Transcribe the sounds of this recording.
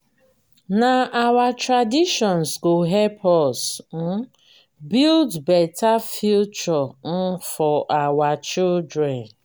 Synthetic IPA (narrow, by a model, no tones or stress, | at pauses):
naawatɾadiʃɔnsɡoɦepʰɔsn̩ | bildbɛtafjut͡ʃɔn̩fɔʔawat͡ʃildɾɛ̃n